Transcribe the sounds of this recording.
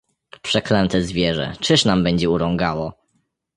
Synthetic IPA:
pʂɛklɛnt̪ɛzvʲjɛʐɛ̰t͡ʂɘʂnambɛɲd͡ʑɛuɾɔ̃ŋɡawɔ

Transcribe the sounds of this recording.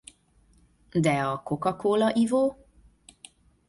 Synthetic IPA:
d̪ɛɒko̞kɒkoːlɒʔivoː

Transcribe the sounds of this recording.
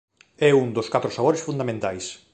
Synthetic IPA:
ɛuŋd̪oskat̪ɾʊsaβoɾesfund̪amẽnt̪ajs

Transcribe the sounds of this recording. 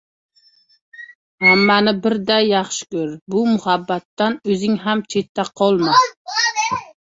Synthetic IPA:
hamːanɪbɪɾd̪ajːɑχʃɪ̥kʲɵɾbʊmʊhabːat̪ːanɵzɪŋɦamt͡ʃʰet̪ʰːaqʰɒlˠma

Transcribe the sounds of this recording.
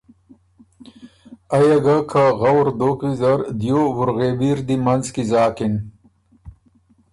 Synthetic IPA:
ɐjɐɡakʰaɣɐwɾd̪oːkwizɐɾd̪joːwuɾɣebiːɾd̪imɐnzkizaːkin

